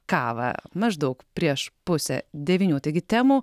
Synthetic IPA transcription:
kɑːʋɐ̰mɐʒd̪ɐʊkpʲɾʲiɛʃpʊsʲɛ̰d̪ʲɛʋʲiːnʲuːt̪ɐɪɡʲɪt̪ʲæːmuː

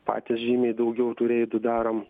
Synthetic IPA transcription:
pɑ̰ːt̪ʲɪsʒʲiːmʲeːjd̪ɐʊɡʲɛʊt̪ʊɾʲeːjd̪ʊd̪ɑːɾɐm

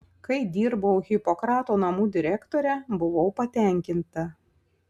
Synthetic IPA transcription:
kɐɪd̪ʲiːɾbɐʊɣʲɪpɔkɾɑːt̪oːnɐmuːd̪ʲɪɾʲækt̪oːɾʲɛbʊʋɔʊpɐt̪ʲɛˑŋʲkʲɪnt̪ɐ

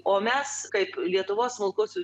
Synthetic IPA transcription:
oːmʲɛskɐɪplʲiɛt̪ʊʋoːssmʊlˠkʊsʲʊ

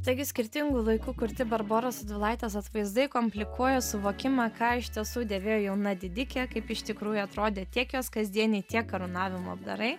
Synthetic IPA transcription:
t̪ɐɪɡʲɪsʲkʲɪɾʲt̪ʲɪŋɡuːlˠɐɪkuːkʊɾʲt̪ʲɪbɐɾboːɾoːsɐt̪ʋʲɪlˠɑɪt̪ʲeːsɐt̪ʋɐɪzd̪ɐɪkoːmʲpʲlʲɪkuɔjoːsʊʋoːkʲɪmɑːkɑːɪʃʲt̪ʲiɛsuːd̪ʲeːʋʲeːjoːjɛʊnɐd̪ʲɪd̪ʲɪkʲɛːkɐɪpɪʃʲt̪ʲɪkɾuːjuɐt̪ɾoːd̪ʲeːt̪ʲiɛkjoːskɐzʲd̪ʲiɛnʲɛɪt̪ʲiɛkːɐɾʊnɑːʋʲɪmuɐbd̪ɐ̰ɾɐɪ

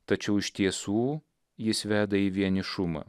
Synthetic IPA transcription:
t̪ɐt͡ʃʲɛʊɪʃt̪ʲiɛsuː | jɪsʋʲæːd̪ɐiːʋʲiɛnʲɪʃʊmɐ̰

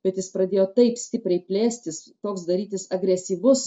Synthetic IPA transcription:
b̥ʲɛt̪jɪspɾɐd̪ʲeːjoːt̪ɐɪpsʲt̪ʲɪpʲɾʲɛɪpʲlʲeːsʲt̪ʲɪst̪oːksd̪ɐɾʲiːt̪ʲɪsɐɡɾʲɛsʲiːʋʊs

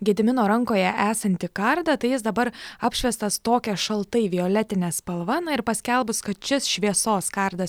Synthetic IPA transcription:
ɡʲɛd̪ʲɪmʲɪnoːɾɐŋkoːjɛʔæːsɐnʲt̪ʲɪkɐɾd̪ɐt̪ɐɪjɪsd̪ɐbɐɾɑːpʲʃʲʋʲɛst̪ɐst̪oːkʲɛʃɐlˠt̪ɐɪʋʲioːlʲɛt̪ʲɪnʲɛːspɐlˠʋɐnɐɪɾpɐsʲkʲɛlˠbʊskɐt̪t͡ʃʲɪsʃʲʋʲiɛsoːskɑɾd̪ɐs

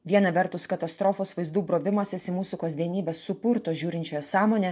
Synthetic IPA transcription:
ʋʲiɛnɐʋʲɛɾt̪ʊskɐt̪ɐst̪ɾoːfoːsʋɐɪzd̪uːbɾoːʋʲɪmoːsʲɪsʲɪmuːsukɐzʲd̪ʲiɛnʲiːbʲeːsːʊpʊɾt̪oːʒʲuːɾʲɪnʲt͡ʃʲoːjɛsɑːmoːnʲɛ

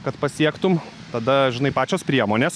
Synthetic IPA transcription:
kɐt̪pɐsʲiɛkt̪ʊm | t̪ɐd̪ɐʒʲɪnɐɪpɑːt͡ʃʲoːspʲɾʲiɛmoːnʲeːs

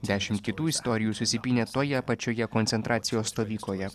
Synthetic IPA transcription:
d̪ʲæːʃʲɪmt̪̚kʲɪt̪uːɪst̪ɔɾʲɪjuːsʊsʲɪpʲiːnʲeːt̪oːjɛpɐt͡ʃʲoːjɛkɔnt̪sʲɛnt̪ɾʔɑːt̪sʲɪjoːsːt̪oːʋʲiːkloːjɛ

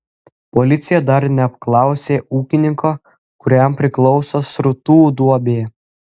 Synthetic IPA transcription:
pɔlʲɪt̪sʲɪjɛd̪ɐɾnʲɛɐp̚klˠɑˑʊsʲeːuːkʲɪnʲɪŋkoː | kʊɾʲɛmpʲɾʲɪklˠɔʊsoːsɾʊt̪uːd̪uɔbʲeː

